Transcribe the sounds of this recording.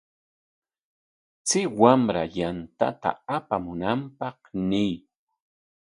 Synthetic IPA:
t͡sɪwamɾajant̪a̰t̪a̰apamʊnampɑχnɪj

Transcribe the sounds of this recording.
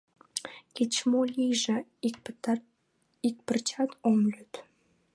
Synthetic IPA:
ket͡ɕmolʲijʒĕ | ik̚pərt͡ɕɑt̪ʰomlyt̪

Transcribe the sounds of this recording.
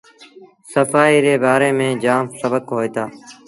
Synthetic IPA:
səfaːiːɾeːbaːɾeːmẽːd͡ʒaːmsəbəkɦoːeːt̪aː

